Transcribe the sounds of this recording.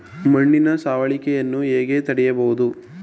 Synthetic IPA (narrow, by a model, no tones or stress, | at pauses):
mɐɳːinɐsaːʋɐɭikɛjɐnːueːɡeːt̪ɐɽɛjɐbɐɣud̪u